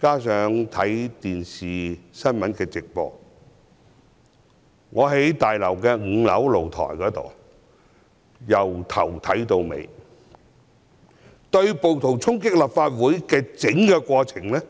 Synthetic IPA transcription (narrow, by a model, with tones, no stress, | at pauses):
kaː˥sœː˨˥ŋt̪ʰɐ˨˥jt̪iː˨˩nsiː˨˩sɐ˥nmɐ˨˥nkɛː˧t͡sɪ˨k̚pɔ̰ː˨˧k̚ | ŋɔː˨˧ɦe˨˥jt̪aː˨jlɐ˨˩wkɛː˧ŋ̩˨˧˥lɐ̰˨˥wlo˨˩wt̪ʰɔ̰ː˨˩jkɔː˨˥t̪o̰˨˩w | jɐ˨˩wt̪ʰɐ˨˩wt̪ʰɐ˨˥jt̪o˧wmḛ˨˧j | t̪ɵ˧ɥpo˨wt̪ʰʊ˨˩ŋt͡sʰʊ˥ŋkɪ˥k̚lɐ˨˩p̚faː˧t̚wuː˨˥jkɛː˧t͡sɪ˨˥ŋkɛː˧kʷɔː˧t͡sʰɪ˨˩ŋlɛ˥